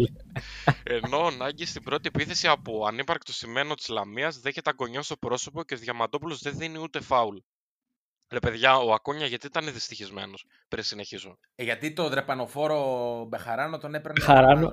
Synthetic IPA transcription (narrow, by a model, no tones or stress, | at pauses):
e̞no̞ɐnɐɲɟist̪ibɾo̞t̪iepiθe̞siɐpoɐnipɐɾk̚t̪o̞sime̞not̪i̥zlɐmiɐzðe̞çet̪eɐɡo̞ɲɐst̪o̞pɾo̞so̞po̞ceðʝɐmɐt̪o̞pulo̞zðenðiniut̪e̞fɐul | ɾe̞pe̞ðʝɐoɐkoɲɐʝɐt̪it̪ɐneðist̪içizme̞̰no̞s | pɾinsine̞çizume | ʝɐt̪it̪o̞ðɾe̞pɐno̞fo̞ɾomexɐɾɐnot̪o̞nepeɐɾɐno